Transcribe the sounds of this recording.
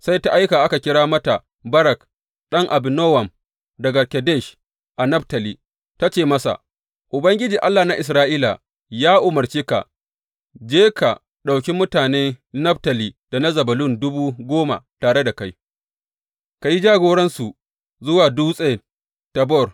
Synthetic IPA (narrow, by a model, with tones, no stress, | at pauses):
sa˦jta˦ʔa˦jkaː˨ʔa˦ka˨kʲɪ˦ɽaː˦mɐ˦ta˨ | bɐ˦ɾɐ˨k | ɗɐ˦ŋʔa˨bɪ˨nɔ˦wɐ˨m | dɐ˨ɡɐ˨kʲɛ˨dɛ˦˨ʃ | ʔa˨nɐ˦btɐ˨liː˨ | ta˦t͡ʃeː˦˨mɐ˦sa̰˨ | ʔʊ˨bɐ˦ŋɡʲɪ˦d͡ʒiː˨ʔa˦lːaː˨na˦ʔɪ˨s̬ɾaː˦ʔiː˦la̰˨ | jaː˦ʔʊ˨mɐ˨rt͡ʃeː˦ka̰˨ | d͡ʒeː˦ka˨ | ɗa˨wkʲi˦mʊ˦taː˨neː˦nɐ˦btɐ˨liː˦d̥a˨nɐ˦zɐ˨bɐ˨lʊ˦˨ndʊ˦buː˦ɡʷoː˦ma̰˨taː˨ɽe˦da˨ka˦j | ka˨ji˦d͡ʒaː˦ɡoː˨ɽɐ˦nsu˨ | zʊ˦waː˨duː˦sʼɐ˦je˨ | tɐ˨bɔ˦˨r